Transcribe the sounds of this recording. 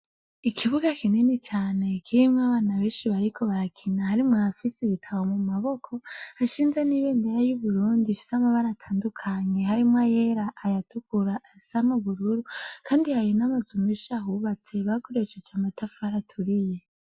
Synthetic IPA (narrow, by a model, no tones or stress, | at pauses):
ikʰiβuɡakʰinenit͡ʃaːne̞kʰiɾimŋaβaːnaβe̞ːnʃiβaɾikʰo̞βaɾakʰinahaɾimŋaafiseβitʰawomumaβo̞kʰo̞haʃiːnzeniβe̞ːndeɾajuβuɾuːndifi̥samaβaɾatʰaːndukʰaɲe̞haɾimŋajeɾaʔːjatukuɾaʔːsamuβuɾuɾukʰaːndihaɾinamazumeʃaɦuβat͡se̞βako̞ɾe̞ʃed͡ʒamatʰafaɾatʰuɾije̞